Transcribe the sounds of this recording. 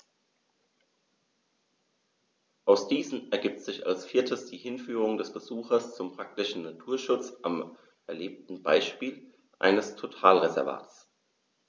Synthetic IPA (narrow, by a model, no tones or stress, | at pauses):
ʔaʊsd̥iːzn̩ɛɐɡiːp̚tz̥ɪça̰lsfɪɐtʰəsd̥iːhɪnfyːʁ̞ʊŋdɛsb̥əzuːxɐst͡sʊmpʁ̥ak̚tɪʃn̩natʰuːɐʃʊt͡sʔam | ʔɛɐleːp̚tn̩baɪʃpiːl | ʔa̰ɪnəstʰotʰaːlʁezɛɐva̰ːtt͡s